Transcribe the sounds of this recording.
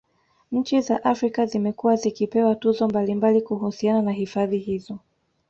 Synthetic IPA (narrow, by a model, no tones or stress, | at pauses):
ɲ̩t͡ʃizaʔafɾikazimɛkuwazikipɛwatuzɔmbalimbalikuhusiananaɦifaðiɦizɔ